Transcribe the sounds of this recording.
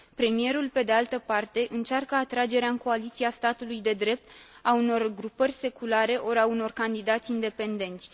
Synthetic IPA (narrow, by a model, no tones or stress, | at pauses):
pɾe̞mije̞ɾulpe̞d̪e̞alt̪əpart̪e̞ʔɨnt͡ʃarkəat̪ɾad͡ʒe̞ɾeaɨŋko̞alit̪siast̪at̪ulujd̪e̞d̪ɾe̞p̚t̪auno̞rɡɾupərʲse̞kulaɾe̞ʔo̞ɾauno̞rkand̪id̪at̪sʲind̪e̞pe̞nd̪e̞nt̪sʲ